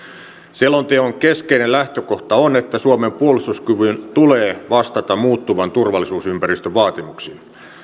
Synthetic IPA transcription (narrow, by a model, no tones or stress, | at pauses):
silːont̪eoŋkeskeinellæht̪økoht̪ɑonet̪ːæsuomempuolust̪uskyʋynt̪uleːʋɑst̪ɑt̪ɑmmuːt̪ːuʋɑnt̪urʋɑlːˑisuːsympærist̪øʋʋɑːt̪imuksiːn